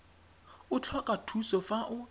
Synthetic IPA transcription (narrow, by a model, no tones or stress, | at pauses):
ʊt͡ɬʰɔkʼatʰusɔfaʔʊ